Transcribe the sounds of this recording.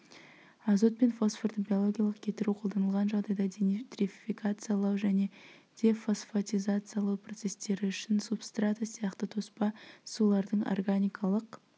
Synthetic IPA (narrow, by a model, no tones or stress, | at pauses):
azo̞t̪̚pe̞nfo̞sfort̪əbʲijo̞lˠo̞ɡʲijalˠəqkʲʰe̞t̪ɪɾuqʰo̞lˠd̪ɑnəlˠʁɑnʒɑʁd̪ɑjd̪ɑd̪et̪rifʲfikat̪sɨjalˠɑwʒæne̞d̪̥ʲe̞fosfat̪ʲizat̪sɨjalˠɑwpro̞t̪se̞st̪e̞ɾɪʏʃɪnsupst̪rat̪əsijɑqt̪ət̪ʰo̞spɑsulˠɑɾd̪əɴo̰rɡanʲijkʰalˠəq